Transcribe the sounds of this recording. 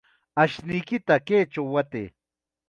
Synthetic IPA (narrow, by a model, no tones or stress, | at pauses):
aʃnɪjkɪt̪aket͡ʃawːat̪ḛː